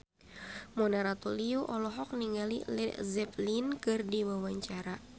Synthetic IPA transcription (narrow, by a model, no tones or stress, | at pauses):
mɔnaɾat̪uliuʔɔlɔɦɔk̚niŋɡalilɛzɛplinkɨrdiwawaɲt͡ʃaɾa